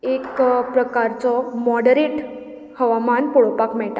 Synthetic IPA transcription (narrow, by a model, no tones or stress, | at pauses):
ekpɾəkaɾt͡sɔmɔɽəɾeʈ | həʋamanpoɭpakmɛɭʈa